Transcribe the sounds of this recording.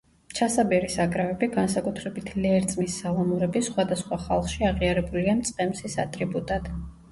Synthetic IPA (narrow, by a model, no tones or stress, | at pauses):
t͡ʃʰasabɛɾisakʼɾavɛbiɡansakʼut̪ʰɾɛbit̪ʰlɛɾt̪sʼmisːalˠɔmuɾɛbisχwad̪asχwaχalˠχʃiaʁiaɾɛbuliamt̪sʼqʼɛmsisa̰t̪ʼɾibut̪ʼad̪̥